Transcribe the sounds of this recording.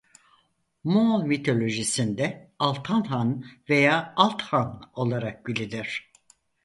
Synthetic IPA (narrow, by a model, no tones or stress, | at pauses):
momit̪ʰo̞lʲo̞ʒisind̪ɛalˠt̪ʰanɦanve̞jaːalˠt̪hano̞lˠaɾak̚bilʲid̪iɾ̝̥